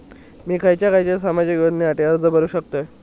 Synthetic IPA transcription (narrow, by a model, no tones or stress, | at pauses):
miːkʰajt͡ɕjakajt͡ɕesamad͡ʑikəɽnːiːaʈeəɾd͡zəbʱəɾuːɕək̚t̪əj